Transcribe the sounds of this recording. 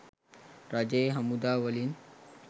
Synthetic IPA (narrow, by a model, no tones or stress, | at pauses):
ɾad͡ʒeɦəmud̪aːʋəlin